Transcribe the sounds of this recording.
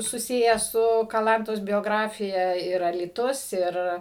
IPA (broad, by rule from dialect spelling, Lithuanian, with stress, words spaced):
sʊˈsʲɪjæː ˈsʊ kɐˈlˠɐntoːs bʲoːˈɡrɑːfʲɪjɛ ɪr ɐlʲiːˈtʊs ˈɪr